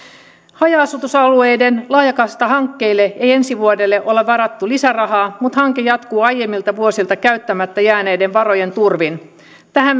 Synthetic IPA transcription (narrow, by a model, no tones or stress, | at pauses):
hɑjɑːsut̪usɑlue̞jdenlɑːjɑkɑst̪ɑɦɑŋkːe̞ilːeeje̞nsiʋuodelːeʔo̞leɑɾɑt̪ːulisærɑɦɑːmut̪hɑŋkejɑt̪kuːɑjːe̞mːilt̪ɑʋuo̞silt̪ɑkæyt̪ːæmæt̪ːæjæːne̞ːde̞ʋʋɑro̞je̞nt̪urʋin | t̪æhæm